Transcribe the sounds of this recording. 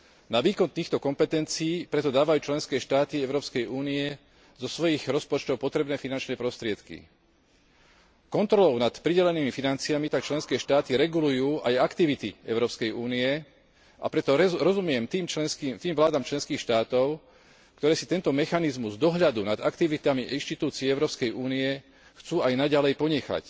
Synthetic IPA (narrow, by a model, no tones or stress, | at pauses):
naʋiːkɔnt̪iːxt̪ɔkɔmpɛt̪ɛnt͡siːpɾɛt̪ɔd̪aːʋajuːt͡ʃlɛnskɛːʃt̪aːt̪iɛʊɾɔːpskɛjʔuːniɛ | zɔsʋɔjiɣɾɔspɔt͡ʃt̪ɔʊpɔt̪ɾɛbnɛːfinant͡ʃnɛːpɾɔst̪ɾɪɛt̪kḭ | kɔnt̪ɾɔlɔʊnat̪pɾiɟɛlɛniːmifinant͡siamit̪ak̚t͡ʃlɛnskɛːʃt̪aːt̪iɾɛɡulujuːʔajakt̪iʋit̪iɛʊɾɔːpskɛjuːniɛ | ʔa̰pɾɛt̪ɔɾɔzumɪɛmt̪imɛskiːmt̪iːmʋlaːd̪amt͡ʃlɛnskiːxʃt̪aːt̪ɔʊ | kt̪ɔɾɛːsit̪ɛnt̪ɔmɛxanizmuzd̪ɔɦʎad̪unad̪akt̪iʋit̪amiʔinʃt̪it̪uːt͡siɛɛʊɾɔːpskɛjʔuːniɛ | xt͡suːajnaɟalɛjpɔɲɛxa̰c